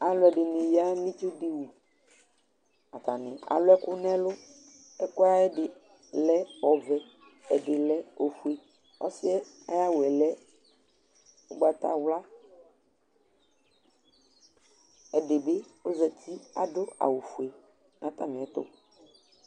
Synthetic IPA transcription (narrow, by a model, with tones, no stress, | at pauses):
a˨lʊ˦ɛ˨ɖɪ˨nẽ˨ja˦lĩ˦t͡ʃo˦ɖe˦wu˨ | a˨t̪a˨nɪ̰̃˨a̰˨lʊ˦ɛ˦kʊ˦nɛ̃˦lʊ˦ | ɛ˦kʊ˦a˦ɛ˦ɖɪ˨ | lɛ˦ɔ˨vɛ˨ | ɛ˨ɖɪ˨lɛ˦o˨fu˦˨e˨ | ɔ̰˦sɪ˦ɛ˦ | a˦ja˦wɛ˨lɛ˦ | o˦ɡ͡ba˦t̪a̰˦wla˦ | ɛ˨ɖe˨be˦wo˦zɛ˨t̪i˦a̰˨ɖʊ˦a̰˨wu˨fu˨e˨ | nã˨˦t̪a˦mẽ˨ɛ˦t̪ʊ̰˦